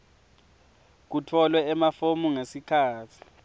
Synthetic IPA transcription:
k̬utʰɔlwɛɛmafomuŋesikʰaːtʰi̥

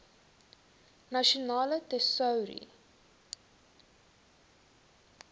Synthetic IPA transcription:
naʃionɑːlətɛsəwɾḭ

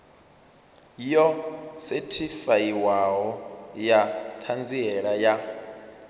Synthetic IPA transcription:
ijɔsɛtʰifajiwaɦɔjat̪ʰand͡ziɛɺaja

